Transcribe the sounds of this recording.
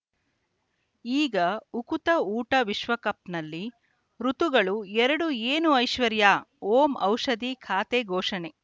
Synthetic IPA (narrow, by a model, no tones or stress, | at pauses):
iːɡɐukut̪ɐuːʈɐʋiʃʋɐkɐp̚nɐlːi | ɾut̪uɡɐɭuɛɾɐɽueːnuɐjʃʋɐɾjaːoːmɐwʂɐd̪ikʰaːt̪eɡʱɔːʂɐne